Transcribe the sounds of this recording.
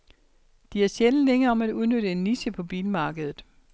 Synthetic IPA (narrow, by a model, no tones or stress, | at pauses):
d̥iæɐɕel̩leŋɐːɒ̽mæd̥uðˠnøɾəe̝nːisəpʰɒ̽b̥iːləmɑ̈ːɡ̥əð̞ˠð̩ˠ